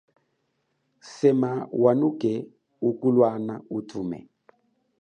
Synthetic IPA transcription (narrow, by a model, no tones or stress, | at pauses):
sɛmawanukɛ | ukulwanautʰuːmɛ̰